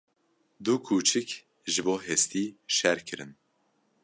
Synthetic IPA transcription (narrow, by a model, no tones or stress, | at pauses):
d̪ukʰuːt͡ʃʰɨk | ʒɨboːɦɛst̪iːʃɛɾkʰɨɾɨn